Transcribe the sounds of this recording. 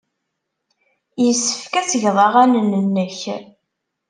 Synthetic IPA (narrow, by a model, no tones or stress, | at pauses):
jəsːə̥fkæt͡səʝðˤɑʁænənənːəç